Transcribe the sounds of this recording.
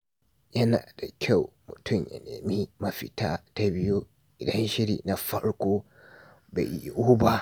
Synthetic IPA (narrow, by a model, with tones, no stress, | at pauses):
jɐ˦na̰ː˨da˨kʲʰa˦˨wmʊ˨tʰʊ˦˨mjɐ̰˨nḛː˨miː˦mɐ˦ɸi˨taː˦ta˦bɪ˦ju˦ | ʔɪ˨dɐ˦nʃɪ˦ɽḭ˨na˨ɸɐ˦ɽkʷoː˦ | bḛ˨i˦˨ʔuː˦ba˦